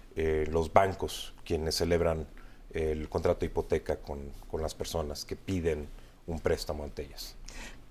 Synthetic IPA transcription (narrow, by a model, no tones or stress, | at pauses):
elo̞zbaŋko̞skje̞nesːe̞le̞β̞ɾan | elkont̪ɾat̪oipo̞t̪e̞kako̞nko̞nlaspe̞ɾso̞naske̞piðe̞n | umpɾe̞st̪amoant̪eʝas